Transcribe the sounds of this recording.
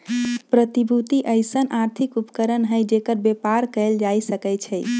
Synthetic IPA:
pɾət̪ibʱut̪iʔəɪsənaɾt̪ʰikupkəɾənɦəjd͡ʒekəɾbepaɾkəjld͡ʒajsəkət͡ʃʰəj

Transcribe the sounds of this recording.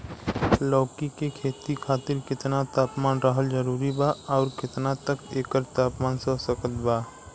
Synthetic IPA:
lɔːkikekʰeːt̪ikʰaːt̪ɪɾkɪt̪nat̪aːpmaːnɾəɦəld͡ʒəɾuːɾibaɔːɾkɪt̪nat̪əkeːkəɾt̪aːpmaːnsəsəkət̪baː

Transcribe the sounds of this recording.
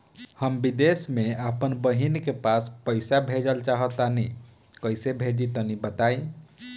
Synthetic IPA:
həmbid̪esmeapənbəɦinkepaspəɪsabʱed͡ʒəlt͡ʃaɦət̪ani | kəjsebʱed͡ʒit̪ənibət̪aĩ

